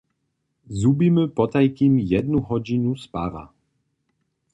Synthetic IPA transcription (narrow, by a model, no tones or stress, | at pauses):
zubimɘpɔt̪ajkʲimjɛd̪nuɦɔd͡ʑinuspava̰